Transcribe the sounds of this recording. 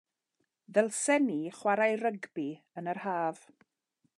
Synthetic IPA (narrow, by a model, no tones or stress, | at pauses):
ðɛlˠsɛniχwaɾajrəɡbi | ənərhaːv̥